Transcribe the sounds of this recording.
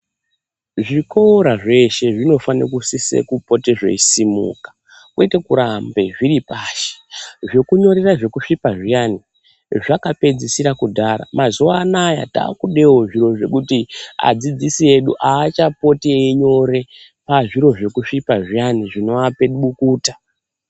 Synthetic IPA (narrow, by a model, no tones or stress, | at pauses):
ʐikoɾaʐe̞ʃe̞ʐino̞fanirokusise̞̰kupo̞te̞ʐe̞̰isimṵːkḁ | kwetekuɾambe̞ʐiɾipaːʃe̥ʐe̞kuɲo̞ɾe̞raʐe̞kuʂipaʐijani | ʐakape̞d͡zisiɾakudʱaɾa̰mazuwaːnaja̰ta̰ːkuɗe̞woʐiɾo̞ʐe̞̰kutia̰d͡zid͡zisie̞ɗṵʔaːt͡ʃapo̞teiɲo̞ɾe̞ | paʐiɾo̞ʐe̞kuʂipaʐijaniʐino̞ape̞ɗuɓukuːtḁ